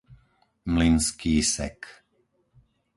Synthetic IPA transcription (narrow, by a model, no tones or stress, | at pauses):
mlinskiːsɛ̰k